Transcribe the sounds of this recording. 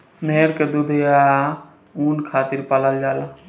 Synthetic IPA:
nəəɾked̪ud̪ʱja | unkʰat̪iɾpaləld͡ʒaːl

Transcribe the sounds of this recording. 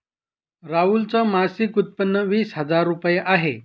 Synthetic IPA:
ɾault͡sɔmasikut̪̚pənːəʋiːsɦəd͡zaɾːupjeʔaɦe

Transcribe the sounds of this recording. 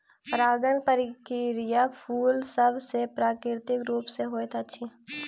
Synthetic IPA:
ɾaːɡənpəɾɪkɪɾɪjapʰuːlsəbsepɾaːkɾɪɾt̪ɪkɾuːpseɦoːet̪ʰːtːʃʰi

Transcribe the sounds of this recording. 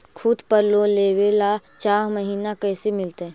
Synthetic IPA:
kʰʊd̪pəɾloleːweːlat͡ʃaːɾməɦiːnakɛːsemɪlt̪eɛ̃ː

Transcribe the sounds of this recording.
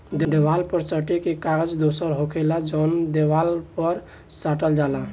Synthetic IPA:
d̪ed̪ewalpəɾsəʈekekaɡəd͡ʒd̪osəɾɦokʰelad͡ʒɔnd̪ewalpəɾ | saʈəld͡ʒala

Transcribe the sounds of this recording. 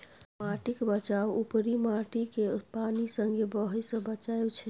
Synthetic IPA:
maʈikebət͡ʃawupɾimaʈikepanisəŋɡebəɦəjsə̃bət͡ʃaet͡ʃʰɛ

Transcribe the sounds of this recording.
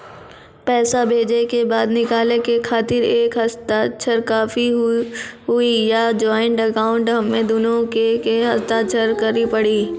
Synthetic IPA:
pɛːsabʱeːd͡ʒekebaːd̪nɪkaːlekekʰaːt̪ɪɾeːkɦɐst̪at͡ʃʰəɾkaːfi | ɦʊijad͡ʒɔːɪɳʈəkaːʊ̃ɳʈɦɐmːẽd̪ʊnõkekeɦɐst̪aːt̪̚t͡ʃʰəɾkɐɾipɐɽiː

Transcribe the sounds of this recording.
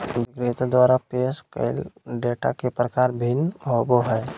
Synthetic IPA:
ʋɪkɾet̪ad̪ʋaːɾapeːskə̰ɪlɖeːʈa̰kepɾəkaːɾbʱinoboɦɛː

